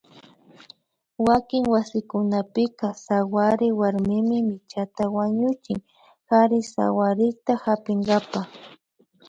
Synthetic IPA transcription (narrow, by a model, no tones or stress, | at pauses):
wakɪŋwasɪkʊnapɪkasawaɾɪwaɾmɪmɪmɪt͡ʃat̪awaɲʊt͡ʃɪ̰ŋ | xaɾɪsa̰waɾɪkt̪ahapɪŋɡapa